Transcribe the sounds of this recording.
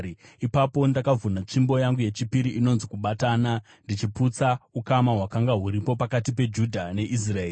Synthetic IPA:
ipapo̞ndakavunat͡ʂimbo̞jaŋɡuje̞t͡ʃipiɾiino̞nzikuɓataːna | ndit͡ʃiput͡saukamaɦwakaŋɡaɦuɾipo̞pakatipe̞d͡ʒudʱane̞ʔis̬raeːr

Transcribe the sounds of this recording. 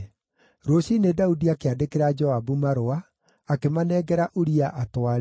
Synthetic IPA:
ɾoɕinedaudiakeadekeɾad͡ʒɔabumaɾoaː | kemanɛɡɛɾaʔoɾiaʔatwaɾ

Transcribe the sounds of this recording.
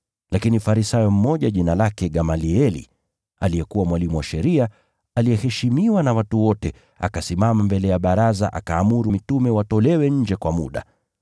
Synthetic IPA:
lakinifaɾisajɔm̩mɔʄaʄinalakɛɠamaliɛlḭ | a̰lijɛkuwamwalimuwaʃɛɾia | alijɛhɛʃimiwanawatuwɔtɛ | a̰kasimamambɛlɛjaɓaɾaza̰ʔa̰kaːmuɾumitumɛwatɔlɛwɛɲ̩d͡ʒɛkwamṵɗa̰

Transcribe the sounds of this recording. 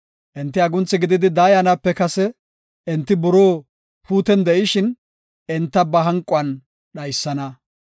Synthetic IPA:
ʔɪnt̪ːɪɐɡʊnt͡sːɪɡɪd̪ɪd̪ɪd̪aːjɐnɐpːɛkɐsɛ | ʔɛnt̪ːɪbʊɾoː | puːt̪ɛnd̪ɛʔɪʃɪn | ɪnt̪ːɐbɐɦɐŋkʼʊɐn | ɗɐjsːɐnɐ

